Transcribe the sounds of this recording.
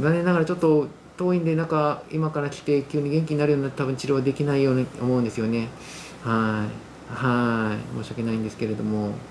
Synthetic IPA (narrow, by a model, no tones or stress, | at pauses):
ɡanenaɡaɾat͡ɕo̞t̪ːo̞ | t̪o̞ːĩnd̪e̞nãŋkaimakaɾakʲi̥t̪e̞kʲɨːɲ̟ːiɡẽ̞ŋkʲiɲ̟inaɾɯ̟jo̞ɲinat̪ːet̪abɯ̟̃ɲt͡ɕiɾo̞ːad̪e̞kʲinaijo̞ːɲiomo̞ɯ̟̃nd̪esɨjo̞ne̞ | hai | haimo̞ːɕiake̞naĩnd̪e̞sɨ̥ke̞ɾe̞d̪o̞mo̞